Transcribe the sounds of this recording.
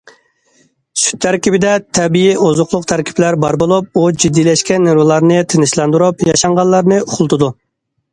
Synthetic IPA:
sy̥t̪ʰːæɾkʲibɪd̪ɛt̪ʰɛbijiozʊχlˠʊqt̪ʰæɾkʲi̥plæɾbɑ̰ɾbolˠup̚ud͡ʒid̪ːijlɛʃkʲɛnːeɾwɨlˠɑɾnɨt̪ʰenɪʃlˠɑnd̪uɾupjɑʃɑɴʁɑllːˠɑɾnɨʊχʊlˠt̪ʰʊd̪u

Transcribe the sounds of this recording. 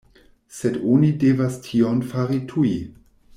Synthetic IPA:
sedonidevastʰionfaɾitʰuji

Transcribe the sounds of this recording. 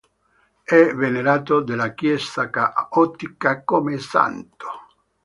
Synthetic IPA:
ɛveneɾaːt̪̬od̪elakjɛst̪akaɔt̪ːikakomesa̰nt̪o̥

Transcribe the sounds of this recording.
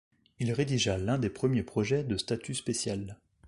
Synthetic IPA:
ilʁed̪iʒalɛ̃d̪epχəmjepχɔʒɛd̪əst̪at̪ʰyspesjal

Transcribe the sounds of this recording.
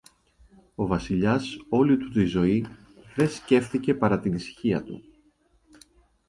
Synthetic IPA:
o̞vɐsiʎɐso̞lit̪ut̪izo̞i | ðe̞sce̞fθice̞pɐɾɐt̪inisçiɐt̪ṵ

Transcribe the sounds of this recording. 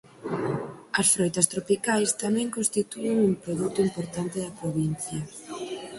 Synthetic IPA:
ɐsfɾojt̪ɐst̪ɾopikajst̪amɛ̃ŋkõnst̪it̪ueŋuŋpɾoðut̪ʊimpoɾt̪ant̪ɪðɐpɾoβin̟θjɐ

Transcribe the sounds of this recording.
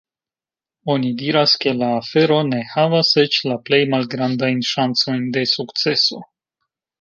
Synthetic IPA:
o̞nid̪iɾaskelaːfeɾo̞ne̞havaset͡ʃlaple̞jmalɡɾand̪ajnʃant͡so̞jnd̪e̞sukt͡se̞so̞

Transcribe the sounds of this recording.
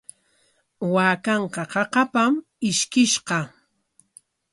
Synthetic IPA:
waːkɑɴqɑqɑqɑpam | ɪʃkɪʃqɑ

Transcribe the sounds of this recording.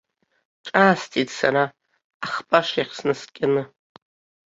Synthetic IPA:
ʈ͡ʂʼaːstʰitsaɾaː | χpʼaʂaχsnɨskʲʼanɨ

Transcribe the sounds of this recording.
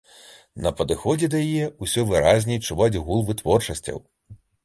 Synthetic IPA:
nɐpɐd̪ɨxɔd͡zʲɛd̪ɐjijɛusʲɔvɨɾazʲnʲɛt͡ʂuvad͡zʲɣulˠvɨt̪vɔrt͡ʂɐsʲt͡sʲɐ̰w

